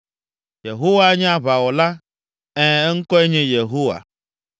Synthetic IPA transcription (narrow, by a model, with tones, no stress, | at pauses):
je˨ɦo˦wa˦ɲe˦a˨βa˨wɔ˨la˦ | ɛ˦e˦ŋ̩˦kɔ˦e˦ɲɛ̃˦je˨ɦo˦wa̰˨